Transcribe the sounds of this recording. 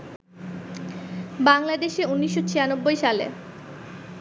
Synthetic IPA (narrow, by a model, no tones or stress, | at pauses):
baŋlad̪eʃeunːiʃːot͡ɕʰijanobːojʃalḛ